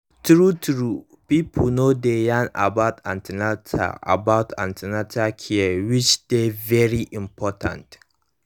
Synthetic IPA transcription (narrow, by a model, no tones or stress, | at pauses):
tɾutɹu | piːpʰlnodejãna̰baʊtʰã̰ntinatʰa̰ʔa̰baʊtʰã̰ntʰinatʰakʰiɛwɪt͡ʃd̥evɛɹiʔɪmpʰɔtʰã̰nt